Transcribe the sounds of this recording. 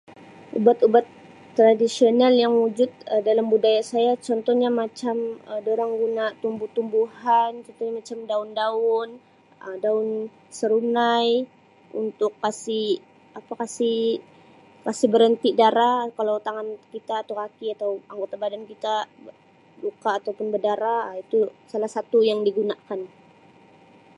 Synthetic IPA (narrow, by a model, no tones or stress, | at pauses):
ʔṵbat̪ubat̪ː | ɾadisionaljaŋwud͡ʒʊt̪̚ədalambudajasajat͡ʃɔnt̪ɔhɲamat͡ʃamədoɾaŋɡunat̪umbuht̪umbuhant͡ʃɔnt̪ɔhɲamat͡ʃamdaʊndaʊn | ədaʊn | səɾunaj | ṵnt̪ʊkːasɪh | apakasɪ | kasɪbəɾənt̪idaɾakalawt̪aŋankit̪aːt̪awkakiat̪awaŋɡot̪abadankit̪a | lukaːt̪awpʊnbədaɾait̪usalahsat̪ujaŋdiɡunakan